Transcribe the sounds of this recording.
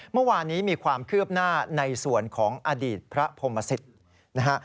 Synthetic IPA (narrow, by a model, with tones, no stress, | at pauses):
mɯ˥˩waː˧nːiː˦˥miː˧kʰwaː˧mkʰɯ˥˩əp̚naː˥˩na˧jsu˨˩ənkʰɔː˩˦ŋʔa˧diː˨˩t̪̚pʰɾa˦˥pʰo˧mːa˧si˨˩t̪̚ | na˦˥ka˦˥ʔ